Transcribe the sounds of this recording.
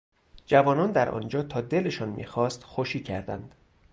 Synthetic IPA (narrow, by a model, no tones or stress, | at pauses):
d͡ʒævɒːnɒːnd̪æɾʔɒ̰ːnd͡ʒɒːt̪ʰɒːd̪e̞le̞ʃɒːnmḭːxɒːst̪xoʃiːcʰæɾd̪æ̰nd̪̥